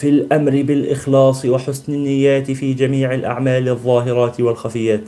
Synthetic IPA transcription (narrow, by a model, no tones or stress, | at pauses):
fɪlʔamɾɪbɪlʔɪxlɑːsˤɨwaħʊsnɪnːɪjːaːt̪ɪfiːd͡ʒamiːʕɪlʔa̰ʕmaːlɨðˤːɑːɦɪɾˤɑːt̪walxafɪjːaːt̪